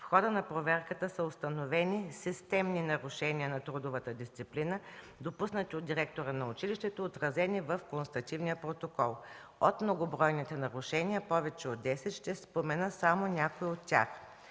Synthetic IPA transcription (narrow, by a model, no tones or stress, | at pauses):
fxɔd̪ənɐpɾovɛɾkət̪əsəost̪ɐnovɛnisist̪ɛmninɐɾʊʃɛnʲiənɐt̪ɾud̪ʊvət̪əd̪ist̪siplinə | d̪opusnət̪iod̪̚d̪iɾɛk̚t̪oɾənɐʊt͡ʃiliʃt̪ɛt̪oːt̪ɾɐzɛnivəfkonst̪ɐt̪ivnijəpɾot̪okɔlˠ | ot̪mnoɡobɾɔjnit̪ɛnɐɾʊʃɛniəpɔvɛt͡ʃɛod̪d̪ːɛsɛt̪ʃt̪ɛspomɛnəsamonʲakoiot̪ːʲa̰x